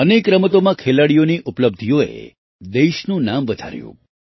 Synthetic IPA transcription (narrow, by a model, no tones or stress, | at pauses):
ənekɾəmət̪omãkʰelaɽijoniʔupləb̚d̪ʱijoḛ | d̪eʃnũnamʋəd̪ʱa̰ɾjṵ̃